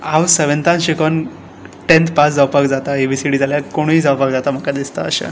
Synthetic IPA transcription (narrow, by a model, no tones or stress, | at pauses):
awseʋənt̪ãnɕekən | ʈẽnt̪pasd͡zawpakd͡zat̪aebʱisiɽiːd͡zaljakoɽ̃iːd͡zawpak̚d͡zat̪am̤əkad̪ist̪a̰əɕa̰